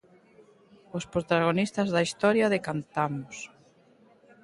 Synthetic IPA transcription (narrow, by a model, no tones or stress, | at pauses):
ospɾot̪aɣ̞onist̪azðɐist̪ɔɾjaðekant̪amos